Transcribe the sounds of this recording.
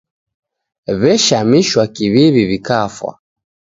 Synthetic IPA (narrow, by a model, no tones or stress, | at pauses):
βɛʃamiʃwakiβiβiβikafwa̰